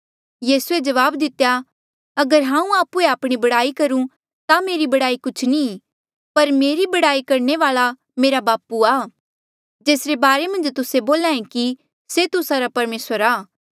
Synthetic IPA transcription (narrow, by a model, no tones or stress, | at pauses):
jiːsued͡ʒɐʋaːbd̪ɪt̪ːeja | ɐɡəɾɦãːũaːpueaːpɽ̃ibɐɽaːikɐɾũ | t̪ameːɾibɐɽaːikʊt͡ʃʰni | pɐɾmeːɾibɐɽaːikɐɾɳeʋaːɭa | meːɾabaːpuaː | d͡ʒeːsɾebaːɾemɐ̃nd͡ʒt̪ʊseboːlãːẽki | set̪ʊsaɾapɐɾmeːsəɾaː